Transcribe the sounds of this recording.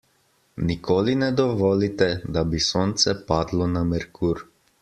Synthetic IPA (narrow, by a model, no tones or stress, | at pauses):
nikoːlinɛd̪ɔʋɔːlit̪ɛd̪abisoːnt̪sɛpaːd̪lɔnamɛɾkʰuːɾ